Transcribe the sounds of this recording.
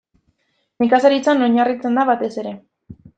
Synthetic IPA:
mekasaɾit͡sanoɲarit͡se̞nd̪aβat̪e̞se̞ɾe̞

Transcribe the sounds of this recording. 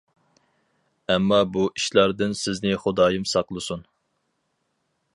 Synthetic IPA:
ɛmːɑbuʔiʃlˠɑɾd̪ɨnsɪznɪχʊd̪ɑːjɨmsɑqlˠɨsun

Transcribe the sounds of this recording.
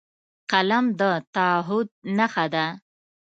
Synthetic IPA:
qalamd̪ət̪aɦʊd̪̚naxad̪a

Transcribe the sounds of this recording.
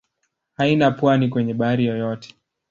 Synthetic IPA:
hainapwanikwɛɲɛɓaɾijɔjɔtɛ̥

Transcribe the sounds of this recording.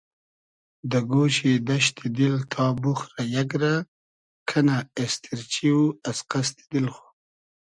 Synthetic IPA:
d̪əɡoʃid̪aʃt̪ʰid̪ilt̪ʰɑːbuxɾajaɡɾa | kʰanaest̪ʰiɾt͡ʃiwuasqast̪i̥d̪ilxu̥

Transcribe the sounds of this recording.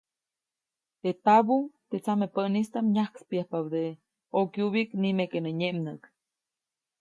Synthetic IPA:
t̪et̪abut̪et͡samepənist̪amɲahkspjahpawd̪e | okjuβiknimekenəɲemnək

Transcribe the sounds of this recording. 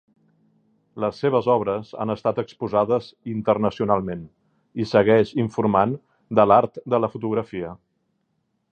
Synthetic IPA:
ləsːeβ̞əzɔβɾəza̰nəst̪at̪əkspuzaðəzint̪ərnəsiunalˠmen | isəɣɛʃiɱfurman | d̪əlaɾt̪d̪ələfut̪uɣɾəfiə

